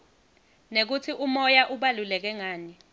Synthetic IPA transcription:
nek̬ut͡sʰiʔumɔjaʔuɓalulɛk̬ɛŋaːni

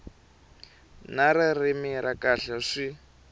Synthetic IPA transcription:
naɾɪrɪmiɾakaɬɛʂi

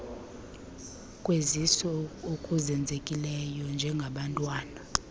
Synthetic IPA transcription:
kʼwezisɔokʼuzɛnd͡zʱekʼilɛjɔnd͡ʒʱɛŋɡʱaɓantʼwaːna

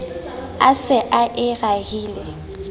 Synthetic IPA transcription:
a̰sɪʔaʔɪɣahiːlɛ

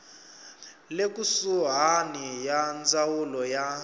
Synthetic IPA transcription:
lek̬ʼusuɦanijand͡zawulɔja

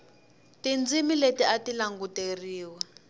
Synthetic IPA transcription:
tind͡zimiletiatilaŋɡuteriːwɛ

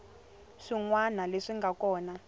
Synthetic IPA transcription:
ʂiŋwanaleʂiŋɡʱakɔːna

